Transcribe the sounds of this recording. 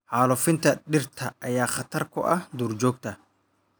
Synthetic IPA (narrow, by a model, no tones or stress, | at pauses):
ʕaːlʊfɪnt̪ʰɐɗɪrt̪ʰɐʔɐjaːχɐt̪ʰɐrkʰʊ̰ʔɐhd̪uːrd͡ʒɔːɡ̚t̪ʰɐ